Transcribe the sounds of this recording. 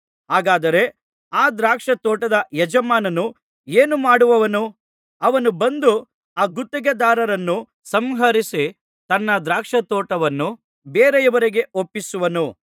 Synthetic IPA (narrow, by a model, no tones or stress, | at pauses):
ɦaːɡaːd̪ɐɾe̞ | aːd̪ɾaːkʂɐt̪ɔːʈɐd̪ɐjɛd͡ʒɐmaːnɐnu | eːnumaːɽuʋɐʋɐnu | ɐʋɐnubɐnd̪u | aːɡut̪ːɛɡɐd̪aːɾɐɾɐnːu | sɐmɦɐɾisi | t̪ɐnːɐd̪ɾaːkʂɐt̪ɔːʈɐʋɐnːu | beːɾɛjɐʋɐɾiɡe̞opːisuʋɐnu